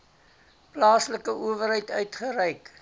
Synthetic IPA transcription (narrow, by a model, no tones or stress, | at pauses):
plɑːsləkəʔuəvərɦɛjtœɥtχəɾɛjk